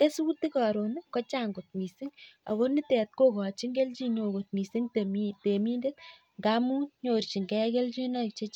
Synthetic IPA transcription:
ke˦su˦ti˦kɔ˨ɾo˨n˦kɔ˦t͡ʃa˦ŋɡo˨t̪̚mi˨si˦ŋa̰˨ko˦ni˦tɛ˨t̪̚ko˦kɔ˨t͡ʃi˦ŋɡe˦lt͡ʃi˦ɲo˨ko˨t̪̚mi˨si˦ŋtmte˨miː˦nde˦t | ŋɡa˦mu˦ɲo˨rt͡ʃi˨ŋɡɛke˦lt͡ʃi˦nɔ˦˨k̚t͡ʃe˦t͡ʃ

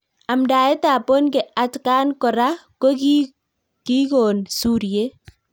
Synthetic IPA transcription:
a˨mda˨e˦ta˨po˦nke˨ʔa˦tkaː˦nkɔ˨ɾa˦ko˦ki | ki˦ko˨nsuː˦ɾje˦

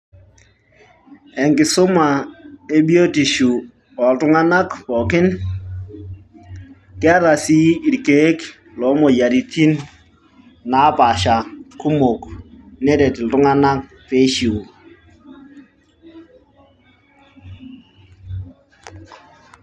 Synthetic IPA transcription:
ɛ˨ŋkɪ˨sʊ˦ma˨e˦bi˦o˦ti˨ʃu˨ | wa˨ltʊ˦ŋa˦na˦kpɔ˨kɪ˦n | kɪ˦a˦ɾa˨si˦i˨ɾke˦k | lɔ˨˦mɔ˨ja˨ɾi˨ti˦n | a˨˦pa˨ʃa˨ku˦mo˨knɛ˦ɾɛ˨tɪ˨l̩˨tʊ˦ŋa˦na˦k̚ | pe˦ʃi˨o˨

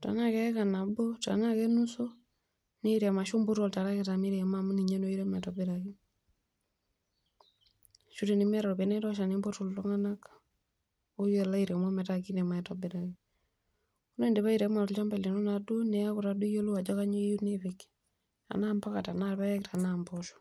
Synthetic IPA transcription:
ta̰˨na˦kɛ˦ɛ˦ka˨na˨bo˦ta̰˨na˦kɛ˦nu˦so˦ | ne˦iɾɛ˨ma˨ʃo˦mbo˦tɔ˨lta˨ɾa˦ke˨ta˨mi˦ɾɛ˨mam˦ni˨ɲe˦no˦i˦ɾɛ˦maɛ˨tɔbɪ˦ɾaki˦ | ʃu˦te˨ni˦mɛ˦ɾa˨ɾpe˨nɛ˦tɔ˦ʃa˨nimbo˦to˨ltɔ˦ŋa˦na˦k | o˦je˨la˦iɾɛ˨ma˦mɛ˨taki˦nɛ˨ma˨ɛtɔbɪ˦ɾa˨ki | u˦ne˦˨nde˨βa˦iɾɛ˨˦ma˨t͡ʃa˦mba˨le˨no˦na˨do˦nɛ˨a˦ku˨ɾadu˦jo˦lu˦a˨d͡ʒɔ˦ka˦ɲe˦ju˦nefɪk | a̰˨na˦mba˦ka˨ta˨naɾpa˦jɛ˦k̚tanambɔʃu̥

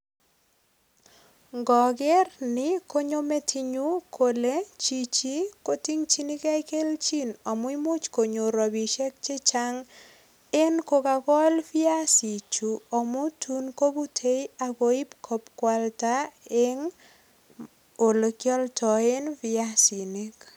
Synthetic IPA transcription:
ŋɡɔ˨ɡɛ˦rnɪ˨ko˦ɲo˦me˦tʰi˦ɲu˦kʰo˨le˦t͡ʃi˦t͡ʃi˦ko˦ti˦ŋt͡ʃi˦ni˦ka˦i˦ke˦lt͡ʃi˦nɔ˨mʊ˦i˦mʊ˦t͡ʃko˨ɲo˨ɾɔ˨bi˨ʃɛ˦k̚t͡ʃe˦t͡ʃa˦ŋ | e˦nko˦ka˨kɔ˦lfɪ˦a˦si˨t͡ʃu˨ɔ˨mʊ˦tʰu˦nko˦bu˦tʰe˦ja˨ko˨i˦pkʰɔ˨pkwa˨lta˦e˦ŋ | o˨lo˨kjɔ˦ltʰɔ˨e˦nfɪ˦a˦si˨ni˦k

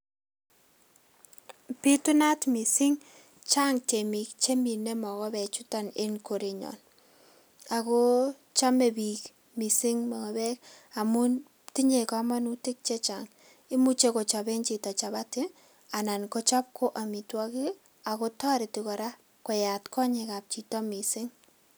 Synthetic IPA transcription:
pi˦tu˦na˦tmi˨sɪ˦ŋ | t͡ʃa˦ŋt͡ʃe˨mi˨k̚t͡ʃe˦mi˨ne˦mɔ˨kɔ˦bɛ˨t͡ʃʊ˦ta˨ne˦nko˨ɾeɲɔ̰˨n | a˨ko˦ | t͡ʃa˦me˨bi˨k | mi˨si˦ŋma˨ŋɔ˨bɛ˦ka˨mu˦n | ti˦ɲe˨ka˨ma˦nu˦tɪ˦k̚t͡ʃe˦t͡ʃaŋ | i˦mu˦t͡ʃe˦ko˨t͡ʃa˨be˦nt͡ʃi˨tɔ˨t͡ʃa˨ba˦tɪ˦ | a˨na˨nko˦t͡ʃɔ˦p̚kʰo˦ʔa˨mi˨twɔ˦ki˦ | a˨ko˦tɔ˦ɾi˨ti˨kɔ˨ɾa˦ | ko˨ja˨tkɔ˦ɲe˨ka˨p̚t͡ʃi˨tɔ˦mi˨sɪ˦ŋ

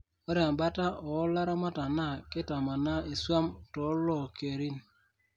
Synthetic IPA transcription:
ɔ˦ɾja˨mba˦ta˦ʔɔ˨˦la˦ɾa˦ma˦ta˨na˦˨kɪ˦ta˨ma˨na˦i˨swa˦mtɔ˨˦lɔ˦˨ke˨ɾi˦n

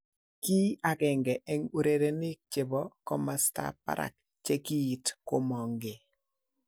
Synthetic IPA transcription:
ki˦a˨kɛ˨ŋɡɛ˨ʔɛ˦ŋu˦ɾe˨ɾe˨nɪ˦k̚t͡ʃe˨bɔ˦kɔ˦masta̰˦pa̰˦ɾʔa̰˨k | t͡ʃe˦ki˦i˨tko˦mɔ˨ŋɡe˨

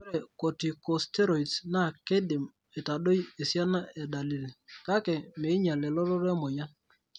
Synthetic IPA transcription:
ɾɛ˨ko˨ti˨kɔ˨stɛ˦ɾo˨i˨tsna˦˨ke˦dɪ˨m | e˨ta˨ɗo˦je˨sja˦na˦ʔɛ˨da˨li˦˨lka˦kɛ˨me˨˦ɲa˨lɛ˨lɔ˦ɾɔ˦ɾɛ˦mo˨ja˦

